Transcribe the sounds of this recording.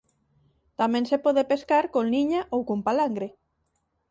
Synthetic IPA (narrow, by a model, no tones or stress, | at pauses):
t̪amẽnsepɔðepeskaɾkonliɲaʔowkompalaŋɡɾe